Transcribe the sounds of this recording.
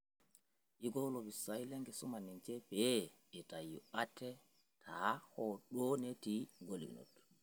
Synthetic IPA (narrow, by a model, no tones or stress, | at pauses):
ʔiɡɔwlɔbisajlɛŋɡɛsɔmanint͡ʃɛpɛ | ɛtajuatːɛ | tʰahɔɗonetiɡolḭno̰d